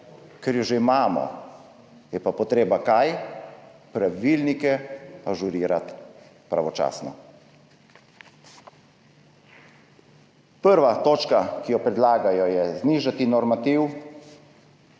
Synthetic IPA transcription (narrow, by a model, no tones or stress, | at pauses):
kɛɾjɔʒeimaːmɔ̰ | jɛpapɔt̪ɾeːbakaj | pɾaʋilnikɛpaʒuɾiːɾat̪ | pɾa̰ʋɔt͡ʃa̰ːsnɔ̰ | pəɾʋat̪oːt͡ʃkakijɔpɾɛd̪laːɡajɔjɛzniːʒat̪inɔɾmat̪iw